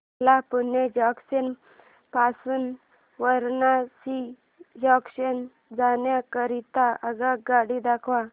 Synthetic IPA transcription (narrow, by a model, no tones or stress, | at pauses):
lapunːed͡ʑɔksen | pasuːn | ʋəɾnasi | jɔksən | d͡zanjakəɾit̪aʔəɡaɡaɽid̪akʰʋa